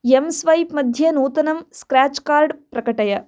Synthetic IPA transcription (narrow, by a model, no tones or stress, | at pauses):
emsʋɐjpmɐd̪ʱjɐnuːt̪ɐnɐmskɾaːt͡ʃkaːɾɖpɾɐkɐʈɐjɐ